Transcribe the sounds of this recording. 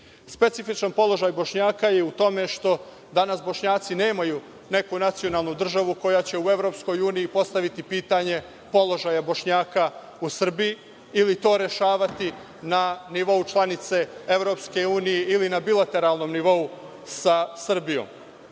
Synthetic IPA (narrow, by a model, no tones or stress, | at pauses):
spe̞t̪sifit͡ʃanpo̞lˠo̞ʒajbo̞ʃɲaːkajeut̪o̞me̞ʃt̪o̞ | d̪anasbo̞ʃɲaːt̪sine̞ːmaju | ne̞kunat̪sio̞naːlˠnud̪r̩ʒaʋuko̞jat͡ɕe̞ue̞ʋɾo̞psko̞juːnijipo̞st̪aʋit̪ipiːt̪aɲe̞ | po̞lˠo̞ʒajabo̞ʃɲaːka | usr̩bii | ilit̪o̞ːɾe̞ʃaːʋat̪i | naniʋo̞ut͡ʃlˠanit̪se̞eʋɾo̞pske̞uːnijeʔilinabilˠat̪e̞ɾalˠno̞ːmniʋo̞u | sasr̩bijo̰m